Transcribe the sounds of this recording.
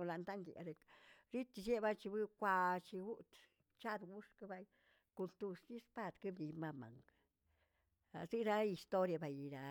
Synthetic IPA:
o˧la˨˧nt̪a˦ŋɡjḭ˨ɾe˧kɾi˦t̪i˧ʃe˦ba˦jt͡ʃi˧bɨ˦kʷa˧t͡ʃi˧ɡu˦t̪ | t͡ʃa˦d̪wu˦ʂka˦ba˧j | ku˧lt̪u˧ʂd̪i˦spa˦˨d̪ki˦bd̪i˧ma˧ma̰˨ŋ | a̰˨si˦ɾa˦i˧st̪o˦ɾja˧ba˨ji˨ɾa˨

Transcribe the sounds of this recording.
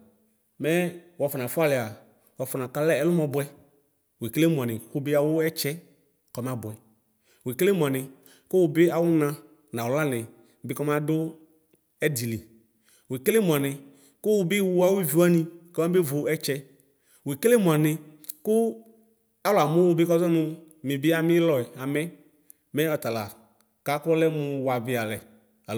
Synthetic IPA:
mɛ˦wɔ˨fɔ˨nã˨fʊ˦a˦lɪ˨a˨ | wɔ˨fʊ˨nã˨ka˨lɛ˦ɛ˦lʊ˦mɔ˨bʊ˨˦ɛ˦ | we˨ke˦le˦mʊ˨a˨nɪ̃˨xʊ˦bɪ˦a˨wʊ˦ɛ˦t͡ʃɛ˦ | kɔ˨m˦a˨bʊ˨ɛ˨ | we˨kle˦mũ˨a˨nɪ̃˨ | kʊ˦wʊ˨bɪ˦a˨wʊ˦nã˨ | nã˨wʊ˨la˦nɪ̃˨ | bɪ˦kɔ˦m˦ã˦dʊ˦ | ɛ˦di˨li˨ | we˨ke˦le˦mʊ˨a˨nɪ˨ | kʊ˦wʊ˨bɪ˦wu˦a˦wʊ˦vi˨wa˦nĩ˦kɔ˦ma˦be˦vʊ˨ɛ˦t͡ʃɛ˦ | we˨ke˦le˦mũ˨a˨nɪ˨ | kʊ˦ | a˦wlʊ˨a˨mʊ̃˦wʊ˦bɪ˦kɔ˦zɔ˦nʊ̃˦ | mɪ˨bɪ˦a˨mɪ˦lɔ˨ɛ˨a˨mɛ˦ | mɛ˦ɔ˨t̪a˨la̰˨ | ka˦kɔ˦lɛ˦mʊ˧wa˨vɪ˦a˨lɛ˨ | a˨

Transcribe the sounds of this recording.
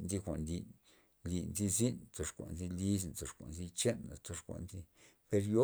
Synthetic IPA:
nzi˦kʷa̰˨nli˨n | li˨nzi˦zi˦nt͡so˧ʂkʷa̰˨nzi˦˧li˦s̬nt͡so˧ʂkʷa̰˨nzi˦˧t͡ʃe˦na̰˨t͡so˧ʂkʷa̰˨nzi˦ | pe˧ɾjo˦

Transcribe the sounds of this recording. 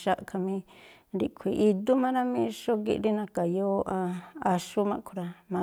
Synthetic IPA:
ʃa˦ʔkʰa˧mĩ˧ | ɾi˧kʰʷi˨ʔi˧d̪u˦mã˦ɾa˦mĩ˦ʃo˦ɡḭ˧ʔɾi˦nã˧ka˨jo˦ʔã˧a˧ʃu˦mã˧ʔkʰu˧ɾa˧mã˧

